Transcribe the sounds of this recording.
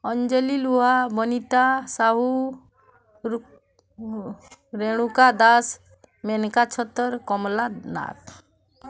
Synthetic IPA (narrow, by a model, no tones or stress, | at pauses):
ɔnd͡ʒəliluɦabɔnit̪asaɦu | ɾeɽ̃ukad̪as | menkat͡ʃʰɔt̪ːəɾkɔmlana̰k